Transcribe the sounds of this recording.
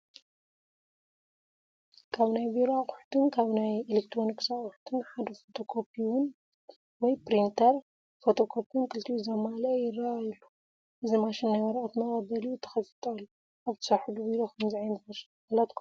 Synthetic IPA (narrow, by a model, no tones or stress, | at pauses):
kʰaβnajbiɾaχʼʊħt̪ʰɨnkʰaβnajelekt̪ʰɾo̞niksaχʊħt̪ʰɨnħad̪ɐfo̞t̪ʰo̞kʰo̞pʰiwʊn | wɔjpɾint̪ʰɐɾ | fot̪ʰokʰo̞pʰunkʰɨlt̪ʰiʔuzɐmaljɪrːaajlːu | ʔɨzimaʃɪnːajwɐɾɐʔʼt̪mɐɣʼɐbɐliut̪ʰɐ̥xɐsɨ̥t̪ʼɐlːu | ʔaβt̪ʰɨ̥sɐħud̪uβiɾokʰɐmziʕajnɐs | alɐt̪kʰu